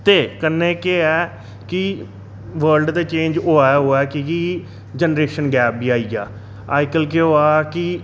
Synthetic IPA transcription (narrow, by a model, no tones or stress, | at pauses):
t̪eːkənːẽːkeɛː | kɪ | ʋəːɾlɖd̪eːt͡ʃẽːnd͡ʒoːaɦoːɛːkiki | d͡ʒənɾeːʃənɡɛːb̚biːaːiːɡaː | aːɪkəlkeoːaːkɪ